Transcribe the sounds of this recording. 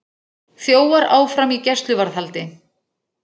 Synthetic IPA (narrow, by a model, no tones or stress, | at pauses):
θjoːwaɾaːwfɾamicɛst̪lʏvaɾðhalt̪ɪ